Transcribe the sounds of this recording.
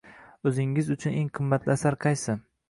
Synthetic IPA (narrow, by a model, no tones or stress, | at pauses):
ɵzɪŋɪzʊt͡ʃʰʊne̞ŋqʰɨmːat̪lɪasaɾqʰɑjsɪ